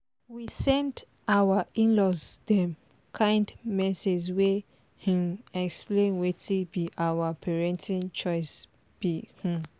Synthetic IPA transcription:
wisɛ̃nt | awaĩnlɔsdɛ̃m | kʰãɪ̃ndmɛsed͡ʒwe | hĩmɛksplẽnwetibiʔawapʰɛɹɛ̃ntʰĩnt͡ʃɔɪs | b̥ihĩ

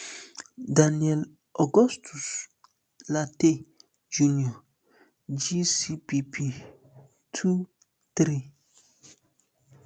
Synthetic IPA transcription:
daniɛl | ɔɡɔstʰus | late | d͡ʒuniɔ | d͡ʒisipipʰi | tʰu | t̪ɾi

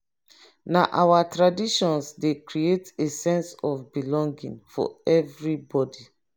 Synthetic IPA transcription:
naʔawatɹadiʃɔ̃nsdekɹietesɛ̃nsɔfbilɔ̃ŋɡḭ̃ŋfɔ̰ɛvɹibɔdi

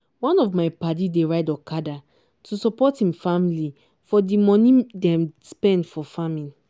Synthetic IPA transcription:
wãnɔvmaɪpatideɹaɪdɔkʰada | tusɔpɔthĩmfamili | fɔdimɔ̃nĩdɛ̃mspɛ̃ndfɔfamĩn

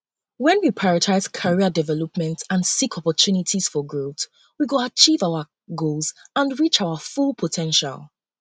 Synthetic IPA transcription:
wɛ̃nwipʰaɹətʰaɪz̥kʰaɹiədɛvɛlɔpmɛ̃ntãnsikʰɔpɔtʰunitʰiz̥fɔɡɹoθ | wiɡoat͡ʃʰivaʊə | ɡolˠzãnɹit͡ʃaʊəfulˠpʰɔtʰɛ̃nʃa̰lˠ

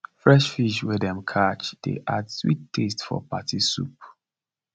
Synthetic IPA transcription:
fɹɛʃfiʃwɛdɛ̃mkʰat͡ʃd̥ḛʔadswḭtʰːestfɔ̰patʰisṵp

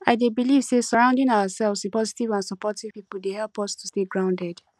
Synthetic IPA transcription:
aɪdebiliv̥sesɔɹãʊ̃ndɪ̃nawasɛlˠvspɔzitivãnsɔpɔtiv̥pipl̩dehɛlpɔstu̥steɡɹãʊ̃ndɛd

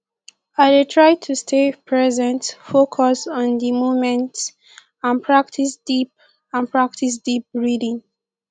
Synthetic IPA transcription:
adetʰɹaɪtʰustʰepʰɹɛzɛ̃ntfokʰɔsɔ̃ndimomɛ̃nt | ãnpʰɹaktʰisdip̚ | ãnpɹak̚tʰis̬dip̚ɹidĩŋ

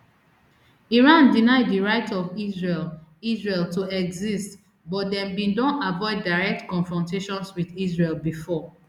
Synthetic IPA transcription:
iɹãndinaɪddiɹaɪtɔvizɹelizɹeltuɛɡzist | bɔt̚dɛ̃mbĩndɔ̃ntavɔɪddaɪɹɛk̚tkɔ̃nfɹɔ̃nteʃɔ̃nswiðisɹelbifɔ

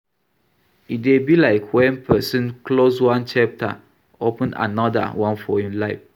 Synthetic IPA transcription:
it̚debilaɪkwɛ̃npʰɛsɨ̃nkloswãnt͡ʃap̚tʰa̰ | opə̃na̰nɔda̰wãnfɔhĩmlaɪf

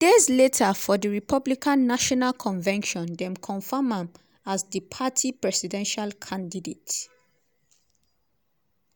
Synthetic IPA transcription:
d̥ezletʰəfɔdəɹipʰʌblikʰãnːaʃɔnalkʰɔ̃nvɛ̃nʃɔ̃ndɛ̃mkʰɔ̃nfamãm | azðəpʰatʰipɹɛsidɛ̃nʃalkʰãndidet

